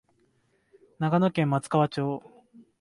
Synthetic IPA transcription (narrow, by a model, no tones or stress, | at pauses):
naɡanokẽ̞mːat͡sɨ̥kaβat͡ɕo̞ː